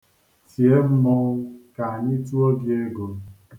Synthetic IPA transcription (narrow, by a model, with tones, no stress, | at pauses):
ti˨e˦mɔ˦wka˨ɲi˦tu˦o˦ɡje˦ɡo˨